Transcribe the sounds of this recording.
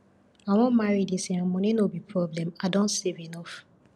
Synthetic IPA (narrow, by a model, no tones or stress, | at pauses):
awɔ̃nmaɾidisiãmɔ̃ninobipʰɹɔblɛ̃madɔ̃nsevenɔf